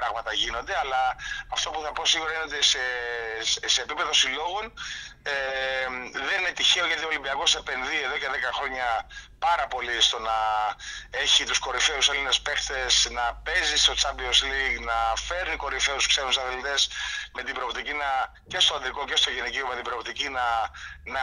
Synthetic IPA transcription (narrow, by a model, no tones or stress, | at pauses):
pɾɐɣmɐt̪ɐʝino̞nd̪eɐlɐːft̪o̞puθɐpo̞siɣuɾɐineot̪ise | se̞ːpipeðo̞silo̞ɣone | ðeninet̪içe̞o̞ʝɐt̪iolimbiɐko̞se̞pe̞nðie̞ðo̞ce̞ðekɐxɾo̞ɲɐpɐɾɐpo̞list̪o̞nɐ | e̞çit̪usko̞ɾife̞uselinespe̞xt̪e̞snɐpe̞zist̪o̞t͡sɐbiozliɡnɐfe̞ɾniko̞ɾife̞uuskseɾusɐθelit̪e̞sme̞t̪ibɾo̞ːpt̪icinɐ | ce̞st̪oɐnd̪ɾiko̞ce̞st̪o̞ʝeniciome̞t̪ibɾo̞ːpt̪icinɐnɐ